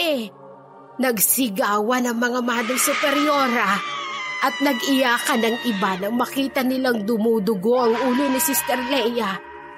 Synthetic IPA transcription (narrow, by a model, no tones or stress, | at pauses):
ʔɛ | nɐɡsɪɡaːwɐnɐŋmɐŋamaːd̪oŋsʊpɛɾjoːɾaʔɐt̪̚nɐɡɪjaːkanɐŋʔɪbanɐŋmɐkiːt̪ɐnɪlaŋd̪ʊmuːd̪ʊɡoʔɐŋʔuːlʊnɪsist̪ɛɾlɛjɐ